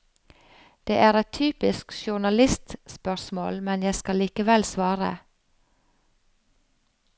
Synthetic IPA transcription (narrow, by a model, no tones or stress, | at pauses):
d̪̥ḛːʔæːɾɛtt̪ʰyːpɪskʃʊɳɑlɪst̪spœsmo̰ːlmɛnjæskɑliːkəʋɛlsʋɑːɾə̰